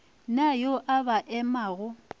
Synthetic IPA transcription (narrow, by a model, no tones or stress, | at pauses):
najoʔabaʔɛmaːɣʊ